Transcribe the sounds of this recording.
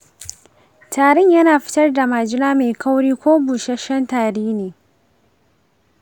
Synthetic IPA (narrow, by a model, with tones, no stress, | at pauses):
taː˨ɽɪ˦˨ɲjɐ˦naː˨ɸɪ̥˦tɐ˦rda˨maː˨d͡ʒɪ˦naː˦me˨ka˦wɽiː˦kʷoː˦buː˨ʃɐ˦ʃɐ˦ntaː˨ɾeː˦neː˨